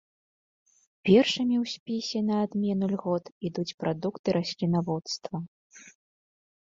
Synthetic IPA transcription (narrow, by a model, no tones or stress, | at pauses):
pʲɛrʂɐmʲiwsʲpʲisʲɛnɐːd̪mʲɛnulʲɣɔt̪id̪ut͡sʲpɾʔad̪ukt̪ɨɾʔasʲlʲinavɔt̪st̪vɐ